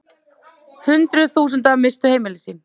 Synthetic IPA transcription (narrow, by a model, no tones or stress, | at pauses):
hʏnt̪ɾʏθuːsʏnt̪avmɪst̪ʏheːjmɪlɪsiːn